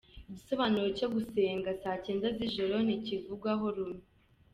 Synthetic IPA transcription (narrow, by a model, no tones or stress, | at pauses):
iɟiso̞βanuɾo̞co̞ɡuse̞ːŋɡasaːceːndaziʒoɾo̞nicivuɡwaɦoɾume